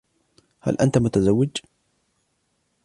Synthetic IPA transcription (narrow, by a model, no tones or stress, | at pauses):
ha̰lʔant̪amʊt̪azawːɪd͡ʒ